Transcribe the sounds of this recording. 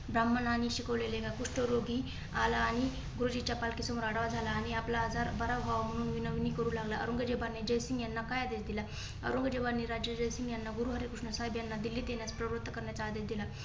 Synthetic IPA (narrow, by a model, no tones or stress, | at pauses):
bɾam̤ːənañiɕikəʋleleɡakuʂʈəɾoɡi | alaːɽ̃i | ɡuɾud͡ʑit͡ɕapalkisəmoɾaɽʋad͡zʱalaːɽ̃iaplaːd͡zʱaɾbəɾabʱaʋam̤əɽ̃uːnʋinəʋnikəɾuːlaɡlaə̰ɾuŋɡəd͡ʑebanːid͡ʑəjsiŋɡjanːakajad̪esd̪ila | ə̰ɾuŋɡəd͡ʑebanːiɾad͡ʑjəd͡ʑəjsiŋɡjanːaɡuɾuɦəɾikuʂɳəsaɦjbjanːad̪ilːiːt̪jenjat͡spɾəʋɾt̪ːəkəɾɳjat͡saːd̪esd̪ila